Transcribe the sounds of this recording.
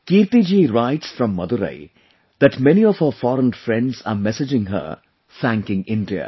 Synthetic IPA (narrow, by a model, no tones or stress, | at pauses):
kiːɾt̪id͡ʒiːɾaɪʈsfɾɔ̃mːʌd̪uɾḛɪ | d̪̥æʈmɛniɔʋhəfɔːɾə̃nfɾɛ̃ɳɖza̰ːmɛsɪd͡ʒɪ̃ŋɦə̰ | t̪ʰæ̃ŋkɪ̃ŋɪ̃nɖiə̰